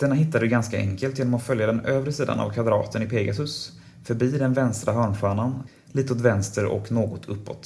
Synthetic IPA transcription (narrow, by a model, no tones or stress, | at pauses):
d̪̥ɛnːaɦɪt̪ːad̪əɡanskaʔɛ̰ŋkəlt̪jeːnɔmafœljad̪ɛnøːvɾəsiːd̪a̰na̰vkʰvad̪ɾɑ̰ːt̪ənɪpʰeːɡasɵs | fœɾbiːd̪ɛnvɛnst̪ɾaɦœːɳɧœːɳan | liːt̪əʊːt̪vɛnst̪əɾɔ̰knoːɡɔt̪ʰɵpːɔ̰t̪